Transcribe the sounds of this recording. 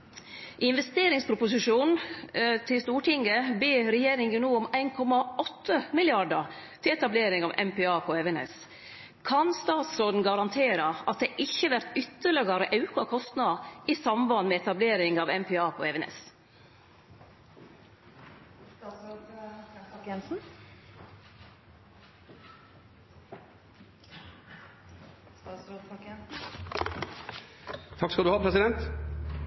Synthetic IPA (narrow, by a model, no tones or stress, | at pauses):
ʔɪnʋɛst̪eːɾɪŋspʰɾʊpʊsɪʂuːnt̪ʰɪlst̪uːʈɪŋəbeːɾɛjeːɾɪŋənnuːʊmæɪnkʰɔmɑɔt̪ʰːəmɪljɑɖəɾ | t̪ʰɪɛt̪ɑbleːɾɪŋɑːʋʔɛ̰mpɛɑːpʰɔɛʋɛnɛ̰s | kʰɑnst̪ɑːt̪sɾoːd̪n̩ɡɑɾɑnt̪ʰeːɾɑʔɑt̪̚d̪ɛːʔɪçːəʋæɾt̪ʏt̪ːəɭɪɡɑɾəʔɑʉkɑkʰɔst̪nɑʔisɑmʋɑnmɛɛt̪ɑbleːɾɪŋɑʋɛmpʰɛːɑːpʰoːɛʋɛnɛ̰s | ɛnsn̩ | t̪ʰɑkːskɑld̪ʉhɑːpʰɾɛsɪd̪ɛnt̪